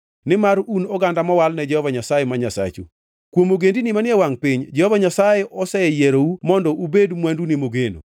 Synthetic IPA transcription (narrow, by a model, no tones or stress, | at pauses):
nɪmaɾunɔɡandamɔwalnɛd͡ʒɛhɔvaɲasajɛmaɲasa̰t͡ʃṵ | kwomoɡendinimanjɛwaŋpɪɲd͡ʒɛhɔvaɲasajɛʔɔsɛjɛɾoumɔndɔʔubedmwandunɪmoɡeno̰